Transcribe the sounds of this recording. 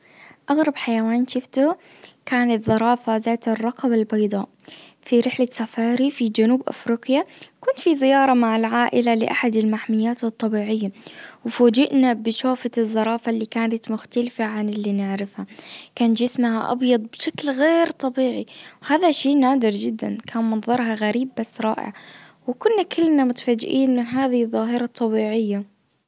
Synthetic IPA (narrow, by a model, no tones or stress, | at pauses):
ʔaɣɾˤɑbħajawaːnʃʊft̪ʊkaːnat̪ðɑɾˤɑːfazaːt̪ɪrˤːɑqɑbalbɑjd̪ˤɑːʔfiɾɪħlasafɑːɾifid͡ʒanuːbʔa̰fɾiːqjakʊnt̪fizɪjɑːɾˤɑmaʕalʕaːʔɪlalɪʔaħad̪almaħmɪjːaːt̪ɨt̪ˤːɑbiːʕɪjːawɪfoːd͡ʒɪʔnabɪʃaːfat̪ɪzˤːɑɾˤɑːfalːiːkaːnat̪mʊxt̪alfaʕanɪlːiːnɪʕɾɪfhakaːnd͡ʒɪsmhaʔɑ̰bjɑd̪ˤbʃaklɣeːɾt̪ˤɑbiːʕiwhaːðaʃeːnaːd̪ɪɾd͡ʒɪd̪ːa̰nkʰaːnmɑnðˤɑɾˤɦɑɣaɾiːbːasːɾˤɑ̰ːʔɪ̰ʕ | wɪkʊnːakʰɪlːnamʊt̪ḁfaːd͡ʒʔiːnmɪnɦaːðɪðˤːɑːɦɪɾˤɑt̪ˤːɑbiːʕɪjːa